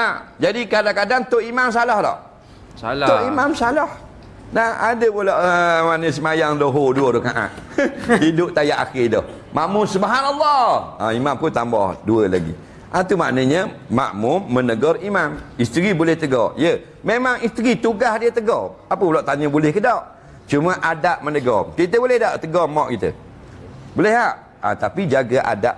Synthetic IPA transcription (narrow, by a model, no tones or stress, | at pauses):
nahd͡ʒadikadaŋkadaŋt̪oʔimams̬alahlɔ̰ʔ̪ | ʊʔimamsalɔh | naha̰dəbolɔʔəmanəs̬əmajaŋdoɦoduədʊkaʔa̰ʔ̪idʊʔt̪ajaʔa̰xɪdɔ̰h | maʔmʊnsəbaɦanalːɔa̰imamkut̪ambɔ̰hduəla̰ɡḭ | ʔat̪uma̰ʔnəɲə | ma̰ʔmʊmːənəɡɔɾimamist̪ɾibulɛht̪əɡɔ̰jə | memaŋist̪ɾit̪uɡahdiət̪əɡɔapəbəlaʔt̪aɲəbulɛhkədawʔ | t͡ʃuməʔadaʔmənəɡɔ̰kit̪əbulɛhdaʔt̪əɡɔmɔʔkit̪ə̰ | bolɛhaʔ | a̰t̪apid͡ʒaɡaʔa̰da̰ʔ